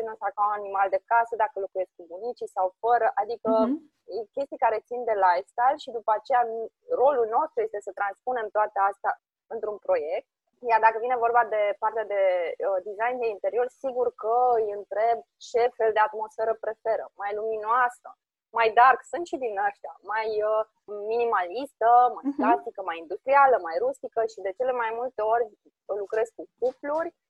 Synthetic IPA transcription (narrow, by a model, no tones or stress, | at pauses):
inəsakaunanimald̪e̞kasəd̪akəlokuje̞skbunit͡ʃisawfəɾəʔad̪ikə | kʲe̞st̪ijkaɾe̞t̪sind̪e̞lajfst̪ajlʃid̪upəat͡ʃe̞ja | ro̞lulno̞st̪ɾujest̪e̞sət̪ɾanspune̞mt̪oat̪east̪a | ɨnt̪ɾunpɾo̞je̞k̚t̪̚ | jard̪akəvine̞vo̞rbad̪e̞part̪ead̪e̞d̪izajnd̪e̞int̪e̞ɾio̞rsiɡurkəɨjɨnt̪ɾe̞b̚ | t͡ʃe̞fe̞ld̪e̞at̪mo̞sfe̞ɾəpɾe̞fe̞ɾə̰majluminoasə̰ | majd̪arksunt̪ʃid̪inaʃt̪ea̰majə | minimalist̪əmaplast̪ikəmajind̪ust̪ɾialəmajɾust̪ikəʃid̪e̞t͡ʃe̞le̞majmult̪e̞o̞rʲ | lukɾe̞zkukuplurʲ